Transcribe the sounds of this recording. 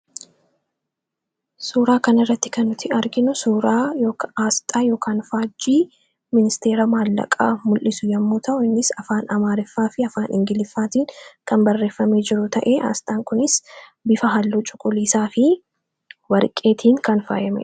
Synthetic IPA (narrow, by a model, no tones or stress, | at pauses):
suːɾaːkɐnɪrːɐt̪ːɪ̥kɐnʊt̪ʰɪɐɾɡɪnʊsuːɾaːjoːkaːst̪ʼaːjo̞ːkʰaːnfaːd͡ʒiː | mɪnɪst̪eːɾɐmaːlːɐ̰kʼa̰ːmʊlʔɪsʊjɐmːuːt̪ʰɐʔʊɪnːɪsɐfaːnɐmaːɾɪfːaːfɪɐfaːnʔɪŋɡɪlɪfːaːt̪iːŋkɐmbɐrːe̞ːfːɐme̞ːd͡ʒɪɾʊt̪ɐʔeːʔa̰ːst̪ʼaːŋkʊnɪsbɪfɐɦɐlːuːt͡ʃʼʊ̥kʼʊliːsaːfɪ | wɐɾkʼe̞ːt̪ʰiːŋkɐnfa̰ːjɐmɛ̰